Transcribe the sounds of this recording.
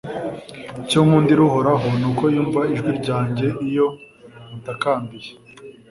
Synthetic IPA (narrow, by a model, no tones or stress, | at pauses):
comuːndiɾuho̞ɾaɦo̞nuko̞juːɱvaiʒɡwiɾɟaːɲɟe̞ʔijo̞ | nutakaːmbije